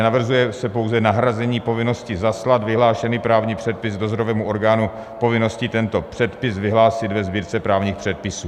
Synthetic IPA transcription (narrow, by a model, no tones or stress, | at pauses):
navr̩zujɛsɛpo̞wzɛnaɦɾazɛɲiːpo̞vɪno̞scɪzaslad̪vɪɦlaːʃɛnipɾaːvɲiːpr̝̥ɛt̪̚pɪzdozoɾovɛːmuo̞ɾɡaːnu | po̞vɪno̞scɪt̪ɛnt̪o̞pr̥ɛt̪pɪsvɪɦlaːsɪd̪vɛzbiːɾt͡sɛpɾaːvɲiːxpr̝̥ɛt̪̚pɪsuː